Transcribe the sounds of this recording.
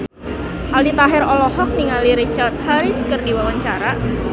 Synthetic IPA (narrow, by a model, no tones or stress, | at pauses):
aldit̪aɦɪɾɔlɔhɔk̚niŋaliɾit͡ʃart̪̚haɾɪskərdiwawaɲt͡ʃaɾa